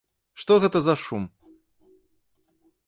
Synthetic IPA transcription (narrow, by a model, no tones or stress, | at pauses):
ʂt̪ɔɣɛt̪ɐzɐʂum